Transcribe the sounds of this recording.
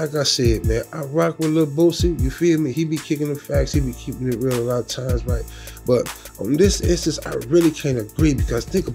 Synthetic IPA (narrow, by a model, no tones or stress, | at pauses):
aɪkaɪseɪd̚mæ̃naɪɹakwɨlʌvboʊsĩjɨfilˠmihibikʰɪkɪ̃ŋɨ̥fækshibikʰipɪ̃ŋɨt̚ɹɪlˠəlɑɾtʰãɪ̃mzɹaɪt̚ | b̥ʌt̚ | ə̃n̩ðɪsɪsɨ̃sa̰ɪɹɪlˠikʰãɪ̃ndɨɡɹibɨkʰʌz̥θɪ̃ŋkə